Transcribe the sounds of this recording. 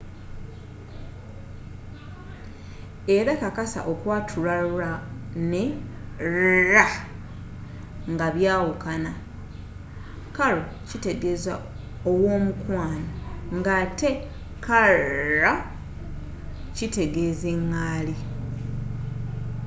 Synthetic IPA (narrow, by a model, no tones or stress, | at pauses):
e̞ɾakakasa̰ʔokwaːtʰulauɾane | ɾa | ŋɡaβjaːwukana | kalo | cite̞ɡe̞za̰ | owo̞ːmukwaːnaŋɡate̞ | kaɾa | cite̞ɡe̞zeŋːaːli